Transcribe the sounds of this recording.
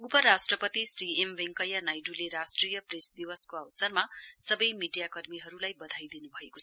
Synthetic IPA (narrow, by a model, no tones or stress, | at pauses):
upʌɾasʈrʌpʌt̪isriembeŋkʌjanajɖuleɾasʈrijʌpresd̪iwʌskoawsʌrmasʌbʌjmiɖijakʌrmiɦʌɾulajbʌd̪ʱajd̪inubʱʌekot͡sʰʌ